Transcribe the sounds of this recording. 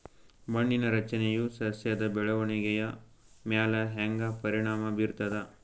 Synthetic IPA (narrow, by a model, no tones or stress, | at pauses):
mɐɳːinɐɾɐt͡ʃɐnejusɐɐsjɐd̪ɐbɛɭɐʋɐɳiɡɛjɐ | mjaːlɐɦɛŋɡɐpɐɾiɳaːmɐbiɾt̪ɐd̪ɐ